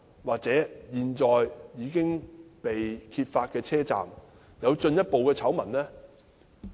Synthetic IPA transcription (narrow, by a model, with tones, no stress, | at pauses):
waː˨k̚t͡sɛː˨˥jiː˨˩nt͡sɔː˨jjiː˨˧kɪ˥ŋpe˨jkʰiː˧t̚faː˧t̚kɛː˧t͡sʰɛː˥t͡sa̰ː˨m | jɐ˨˧wt͡ʃɵ˧njɐ˥t̚po˨wkɛː˧t͡sʰɐ˨˥wmɐ˨˩nlɛː˥